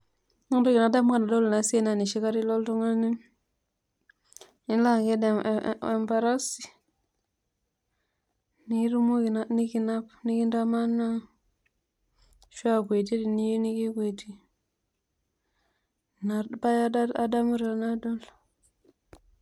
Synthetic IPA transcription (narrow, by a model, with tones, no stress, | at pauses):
u˦do˦ki˨na˨da˦m˦ka˨na˨do˦lna˨si˦e˦na˨ni˨ʃi˦ka˦ɾi˦lo˦ltu˦ŋa˦lni˦ | i˦n˦la˦˨ɡe˦de˨e˨mba˨ɾa˦si̥˨ | ni˦ɾu˦mu˦i˨na˦ni˦ki˨na˦pni˦ki˦nda˦ma˦nːa˦ | ʃu˦a˦kʷe˨ti˦di˨ni˦ji˦ni˦ki˦ke˨ti˦ | na˨pa˦ja˦da˦a̰˦da˦mu˦ɾe˨˦na˦do˦l